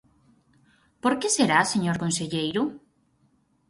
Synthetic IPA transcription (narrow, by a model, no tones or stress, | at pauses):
poɾkeseɾaseɲoɾkonseʎejɾʊ